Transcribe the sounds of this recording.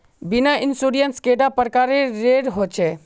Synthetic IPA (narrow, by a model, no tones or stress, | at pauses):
bɪnaʔɪnsuɖijənskeːɖapəɾkaːɾeɾeɖɦot͡ʃʰe